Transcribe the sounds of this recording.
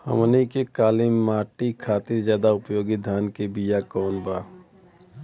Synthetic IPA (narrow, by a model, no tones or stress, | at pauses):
hə̰mnikekaːlimːaːʈikʰaːt̪ɪɾzjaːd̪aʊpjoːɡɪd̪ʱaːnkebijakɔːnbaː